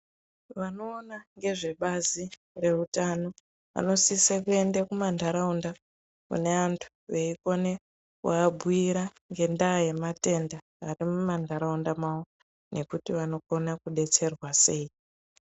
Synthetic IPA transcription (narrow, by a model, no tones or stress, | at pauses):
ʋano̞ːnaŋɡe̞ʐe̞ɓazi | re̞utano̞ | ʋa̰no̞sisakue̞ndekumandʱaɾaunda | kṵne̞antʰu̥ | ʋeiko̞ne̞ | kuabʱuiɾaŋɡe̞ndaje̞mate̞ndaːrimumandʱaɾaundamawo̞ | nʔe̞kutiʋano̞konakuɗe̞t͡se̞rwase̞i